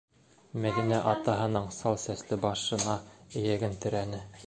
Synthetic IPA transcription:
mæðinæʔɑt̪ɑɦɤ̆nɤɴsɑlˠsæslɘbɑʃɤ̆nɑɘ̆jæɡɘnt̪ɘ̆ɾænɘ

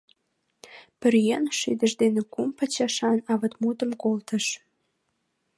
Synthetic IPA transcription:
pə̆rjenʃid̪ə̆ʒd̪enĕkumpə̆t͡ɕɑʃɑnɑβə̆t̪mud̪ə̆mkolt̪ə̆ʃ

